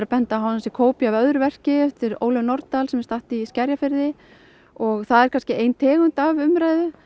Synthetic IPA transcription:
ɾapɛnt̪aɦaasɛkʰoːwpiavœðʏɾvɛr̥cɪɛft̪ɪɾo̰ːwlœwnɔɾt̪alsɛmɛ̥ɾst̪aht̪iscɛɾjafɪɾðɪ | ɔɣθaðɛɾkʰanscɪejnt̪ʰɛːɣʏnt̪avʏmɾajðʏ

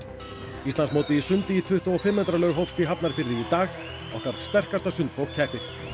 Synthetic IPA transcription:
ist̪lansmoːwt̪ɪisʏnt̪ɪit̪ʰʏht̪ɔɔfɪmːɛt̪ɾalœːɣɦowfst̪iɦapnaɾfɪɾðɪit̪aːx | a̰wkaɾðst̪ɛr̥kast̪asʏnt̪fowcʰɛhpɪ

